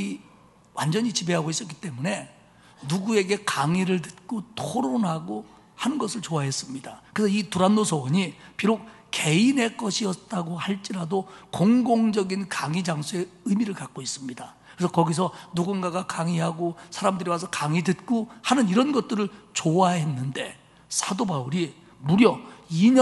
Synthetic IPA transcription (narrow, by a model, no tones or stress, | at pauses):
i | wand͡ʑʌɲit͡ɕibe̞ɦaɡois͈ʌk͈i̥t͈e̞mune̞ | nuɡue̞ɡe̞kaŋiɾɯɭt̬ɯ̥t̚k͈otʰoɾonɦaɡo | hanɯnɡʌsʰɯɭt͡ɕoaɦe̞s͈ɯmɲidakɯesʰʌituɾanːosʰʌwʌɲipiɾok̚ | ke̞ine̞k͈ʌɕʰiʌt̚t͈aɡohaɭt͡ɕ͈iɾadokoŋɡoŋd͡ʑʌɡinkaŋid͡ʑaŋsʰue̞ɯmiɾɯɭkak̚k͈ois͈ɯmɲidakkɯɾesʰʌkʌɡisʰʌnuɡunɡaɡakaŋiɦaɡosʰaɾamdɯɾiwasʰʌkaŋitɯt̚k͈ohanɯniɾʌnɡʌt̚t͈ɯɾɯɭt͡ɕoaɦe̞nːɯnde̞ | sʰadobauɾi | muɾjʌiɲ